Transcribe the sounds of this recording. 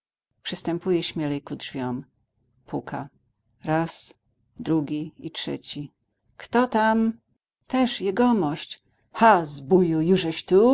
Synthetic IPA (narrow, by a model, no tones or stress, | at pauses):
pʂɨst̪ɛmpujɛɕmʲjɛlɛjkudʐvʲjɔm | puka̰ | ɾas | d̪ɾuɡʲiitʂɛ̰t͡ɕi | kt̪ɔt̪am | t̪ɛʂjɛɡɔmɔɕt͡ɕ | xazbujujuʐɛɕt̪u